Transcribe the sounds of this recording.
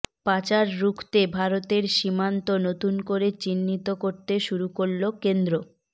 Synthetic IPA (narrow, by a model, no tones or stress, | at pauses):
pat͡ɕaɾːukʰt̪ebʱaɾot̪eɾʃimant̪onot̪unkoɾet͡ɕinːit̪okoɾt̪eʃuɾukoɾlokend̪ɾo